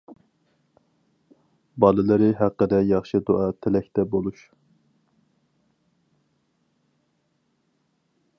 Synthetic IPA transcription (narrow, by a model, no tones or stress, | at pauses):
bɑlˠɨlˠɨɾɪɦæqːəd̪ɛjɑχʃɨd̪oʔɑt̪ʰelɛkʲt̪ʰɛbolˠuʃ